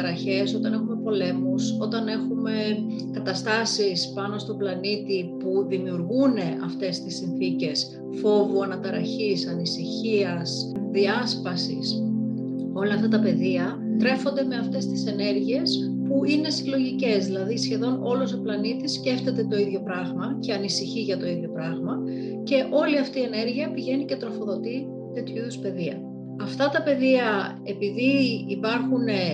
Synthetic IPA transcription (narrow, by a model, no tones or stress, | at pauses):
ɐɾɐçe̞so̞t̪ɐne̞xume̞po̞le̞muso̞t̪ɐne̞xume̞ | kɐt̪ɐst̪ɐsispɐno̞st̪o̞plɐnit̪ipuðimiuɾɣune̞ʔɐft̪e̞st̪isːinθice̞s | fo̞vuɐnɐt̪ɐɾɐçisɐnisiçiɐs | ðiɐspɐsḭs | o̞lɐːft̪ɐt̪ɐpe̞ðiɐ | t̪ɾe̞fo̞nd̪e̞me̞ɐft̪e̞st̪i̥se̞ne̞ɾʝie̞s | puine̞silo̞ʝice̞zðilɐðisçe̞ðo̞no̞losoplɐnit̪isce̞ft̪e̞t̪e̞t̪o̞iðʝo̞pɾɐɣmɐce̞ɐnisiçiʝɐt̪o̞iðʝo̞pɾɐɣmɐ | ce̞ʔo̞liɐft̪iːe̞ne̞ɾʝiɐpiʝe̞nice̞t̪ɾo̞fo̞ðo̞t̪i | t̪e̞t̪çuiðuspe̞ðiɐ̰ | ɐft̪ɐt̪ɐpe̞ðiɐ | e̞piðiipɐɾxune